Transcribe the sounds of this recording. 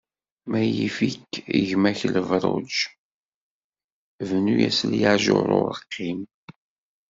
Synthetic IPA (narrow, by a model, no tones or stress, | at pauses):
mæjifikːiʝmæçələvɾˤo̰d͡ʒ | vnujæ̰sljəʕʒoɾˤʊ̰əqːim